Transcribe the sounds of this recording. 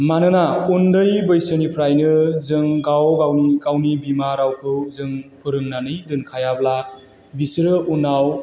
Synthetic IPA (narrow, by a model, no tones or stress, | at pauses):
manɯnaundɯjbɯjsɯnipʰɾajnɯzɯŋɡawɡawniɡawnibimaɾawkʰɯwzɯŋpʰɯɾɯŋnanɯjdɯnkʰajabla | bisɾɯʔunaw